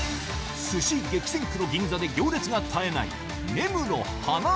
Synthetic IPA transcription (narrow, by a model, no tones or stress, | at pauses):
sɨɕiɡe̞kʲi̥sẽŋkɯ̟no̞ɡʲĩnd͡zad̪e̞ɡʲo̞ːɾʲet͡sɨɡat̪ʰae̞na̰ḭ | ne̞mɯ̟no̞̰ | hana